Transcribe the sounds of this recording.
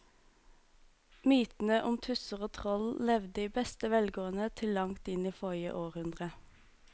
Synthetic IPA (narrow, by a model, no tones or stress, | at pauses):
myːt̪n̩əʔʊmt̪ʰʉsəʁoːt̪ʰʁɔllɛʋd̪əiːbɛst̪əʋɛlɡoːənət̪ʰɪlːɑŋt̪ɪniːfɔɪə̰ʔoːʁhʉnd̪ʁə